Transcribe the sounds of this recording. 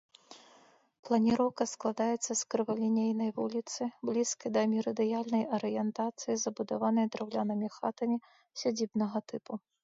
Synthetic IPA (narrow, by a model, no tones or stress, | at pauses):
plˠɐnʲiɾɔwkɐsklˠad̪ajɛt̪sːɐskɾɨvɐlʲinʲejnɐjvulʲit̪sɨblʲiskɐjd̪ɐmʲiɾɐd̪ɨjalʲnɐjɐɾɨjɛnt̪at̪sɨjizɐbud̪avanɐjd̪ɾawlʲanɨmʲixat̪ɐmʲi | sʲad͡zʲibnɐɣɐt̪ɨpu